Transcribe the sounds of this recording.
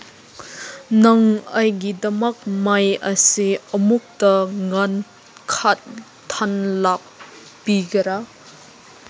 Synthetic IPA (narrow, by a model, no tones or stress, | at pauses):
nɐŋɐjɡidɐmɐk̚majɐsiɐmuk̚tɐŋan | kʰat̚ | tʰanlap̚ | piɡɐɾa